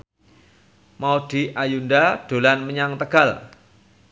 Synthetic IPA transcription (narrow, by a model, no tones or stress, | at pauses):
maud̪̥i̤ʔajundaɖ̥o̤lanməɲaŋt̪əɡ̥al